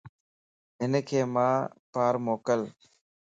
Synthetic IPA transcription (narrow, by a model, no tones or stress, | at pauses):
ɦɪnkʰeːmãːpaːɾmoːkəl